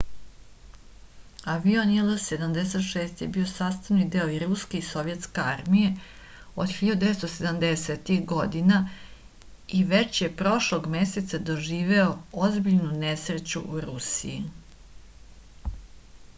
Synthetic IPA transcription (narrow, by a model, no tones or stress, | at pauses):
aʋionelˠose̞d̪amd̪ese̞t̪ʃeːst̪je̞bio̞saːst̪aʋnid̪e̞oiɾuske̞iso̞ʋjet̪ske̞aɾmije̞ | od̪xiʎad̪ud̪eest̪osed̪amd̪eset̪ixɡo̞d̪ina | iʋe̞t͡ʃje̞pɾo̞ʃloɡmeset̪sad̪o̞ʒiːʋe̞oozbiʎnunesɾet͡ɕṵʔuɾusḭji